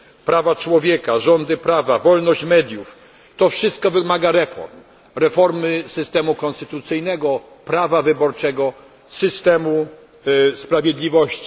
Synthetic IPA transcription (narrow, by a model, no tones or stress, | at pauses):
pɾavat͡ʂwɔvʲjɛkaʐɔnd̪ɘpɾavavɔlnɔɕt͡ɕmɛd̪ʲjuf | t̪ɔfʂɘst̪̚kɔvɘmaɡaɾɛfɔ̰ɾm | ɾɛfɔɾmɘsɘst̪ɛmukɔ̃nst̪ɘt̪ut̪sɘjnɛɡɔ | pɾavavɘbɔɾt͡ʂɛɡɔ | sɘst̪ɛmu | spɾavʲjed̪lʲivɔɕt͡ɕi̥